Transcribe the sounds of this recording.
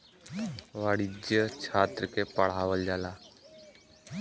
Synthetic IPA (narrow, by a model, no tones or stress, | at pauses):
ʋaːɽid͡ʒjət͡ʃʰaːt̪ɾəkepəɽ̤aːʋəld͡ʒaːlaː